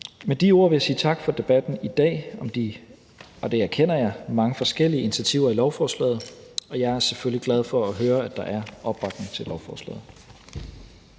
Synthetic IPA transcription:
med̥io̝ɐ̰ʋe̝jɑ̈sḭːt͡sʰɑ̈ɡ̥fɒ̽d̥e̝b̥æd̥n̩id̥ɛ̰ːɒ̽md̥i | ɒ̽d̥e̝æɐkʰen̰ɐjɑ̈ɪmɑ̈ŋəfɒ̽sɡ̥el̰iəinit͡sʰæt͡sʰiʊ̰ɐilɒʊfɒːslɛ̰ːð̞̩ˠɒ̽jɑ̈ɪæɐsefølliɡ̥læð̞ˠfɒ̽ːɦøːɐæd̥ɑ̈ʔæɐʔɒ̽b̥ːɑ̈ɡ̥neŋt͡sʰe̝lɒʊfɒːslɛ̰ːð̩ˠ

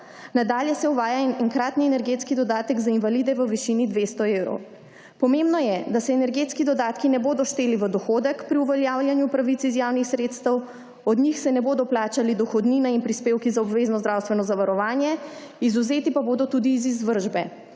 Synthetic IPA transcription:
nad̪aːljɛsɛuʋaːjanɛŋkɾaːt̪niɛnɛɾɡet̪skid̪ɔd̪aːt̪əɡzainvalid̪ɛʋəʋiʃinid̪ʋest̪ɔewɾɔ̰w | pɔmembnɔjɛd̪asɛːnɛɾɡeːt̪skid̪ɔd̪aːt̪kinɛboːd̪ɔʃt̪eːliʋəd̪ɔxoːd̪əkpɾiuʋɛljaːwljanjupɾaʋit̪sizjaːwnixsɾeːt̪st̪əw | ɔd̪nixsɛnɛboːd̪ɔplaːt͡ʃalid̪ɔxɔd̪ninainpɾispeːwkizaɔbʋeːznɔzd̪ɾaːwst̪ʋɛnɔzaʋaɾɔʋaːnjɛ | izuzeːt̪ipaboːd̪ɔt̪uːd̪iːzizʋəɾʒbɛ

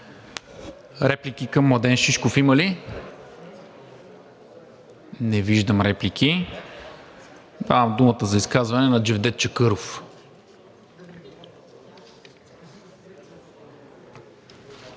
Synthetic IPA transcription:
ɾɛplikʲikɐmːlˠɐd̪ɛnʃiʃkofiməli | nɛviʒd̪əmɾɛplik̟ʲʰi | d̪avɐmd̪umət̪əzɐiskazvɐnɛnɐd͡ʒɛvd̪ɛt̪̚t͡ʃɐkɤɾof

